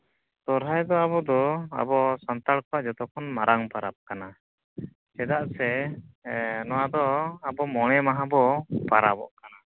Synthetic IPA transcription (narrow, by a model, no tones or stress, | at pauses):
t̪ɔɾɦajd̪ɔabɔd̪ɔa̰bɔsant̪aɽkɔaʔd͡ʒɔt̪ɔkʰɔnmaɾʔaŋpaɾa̰p̚kana | sɛd̪aʔsɛ | nɔwad̪ɔabɔmɔɽ̃ɛmaɦãbɔpaɾabɔ̰ʔkana